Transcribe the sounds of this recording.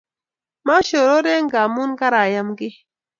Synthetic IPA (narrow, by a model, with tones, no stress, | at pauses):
ma˦ʃo˨ɾo˦ɾe˦ŋ˦ɡa˨mu˦nɡa˦ɾa˨ja˦mɡi˦